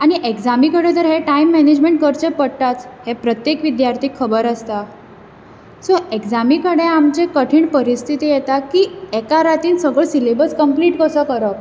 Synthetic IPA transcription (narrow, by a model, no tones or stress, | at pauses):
aɽ̃iʔekd͡zamikəɽẽd͡zəɾɦeʈaimːɛned͡ʑmẽɳʈkəɾt͡ɕepəɽʈ̪at͡shepɾət̪jekʋid̪jaɾt̪ʰiːkʰːəbəɾəst̪a | sɔʔekd͡zamikəɽeamt͡ɕekəʈʰiːɳpəɾist̪ʰit̪iːjet̪akiːekaɾat̪iːnsəɡɭəsilebəɾt͡skəmpliːʈkəsəkəɾək